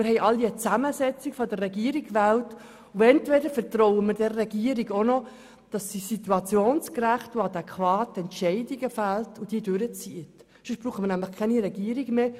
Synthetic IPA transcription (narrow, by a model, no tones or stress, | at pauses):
mɪɾhɛɪʔɑlːiət͡sæməsɛt͡siɡfɔdərːɛɡiəɾiɡʋælt | ʊɛntʋɛdəɾfəɾtrɔʊəmɪɾd̥ɛrːɛɡ̥iəɾiɡɔnɔ | d̥ɑsːisituɑt͡sjoːnskræχtoɑdɛkʰʋɑːtɛntʃɛɪdiɡəfæltʊd̥iːədøɾət͡siət | syʃb̥ɾuːχəmɪnæmləχkʰɛniɾɛɡ̥iːəɾiɡmeː